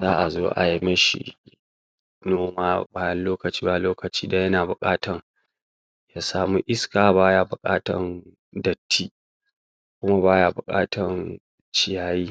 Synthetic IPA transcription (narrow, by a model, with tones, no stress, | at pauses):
zaː˦ʔa˨zoː˦ʔa̰˨ji˦mɐ˦ʃḭ˨ | noː˦maː˦baː˦jɐ˦nloː˦kɐ˨t͡ʃiː˦ba˨loː˦kɐ˨t͡ʃiː˦da˨jɐ˦naː˨bʊ˨kʼaː˦tɐ˨ŋ | jaː˦saː˨mu˦ʔɪ˦skaː˨baː˦jaː˦bʊ˨kʼaː˦tɐ˨n | dɐ˨tːiː˦ | kʷʊ˦ma˦baː˦ja˦˨bʊ˨kʼa̰ː˦tʰɐ˨n | t͡ʃɪ˨jaː˨jiː˦